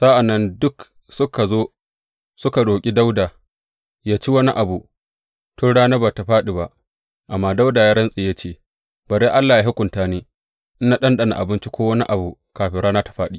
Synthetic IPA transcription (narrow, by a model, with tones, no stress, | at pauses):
z̥a˦ʔa˨nːɐ˦ndʊ˦k | sʊ˦kʰa˨zoː˦ | sʊ˦ka˨ɽoː˨kʲʼi˦da˦wdaː˨ | jaː˦t͡ʃi˦wɐ˦ni˦ʔa˨bu˨ | tʊ˦nɽaː˦naː˦baː˨ta˨ɸaː˦ɗi˨ba˨ʔ | ʔa˨mːaː˦da˦wdaː˨jaː˦ɽɐ˦nsʼɪː˨ja˦t͡ʃeː˦˨ | b̥ɐ˨ɾeː˦ʔa˦lːaː˨ja˦ɦʊ˦kʷʊ˨ntaː˦neː˦˨ | ʔɪ˦na˨ɗɐ˦nɗɐ˨na̰˨ʔa̰˨bɪ˦nt͡ʃi˦kʷʰoː˦wɐ˦ni˦ʔa˨bu˨kaː˨ɸɪ˨˦ɽaː˦naː˦tḁ˨ɸaː˦ɗi˨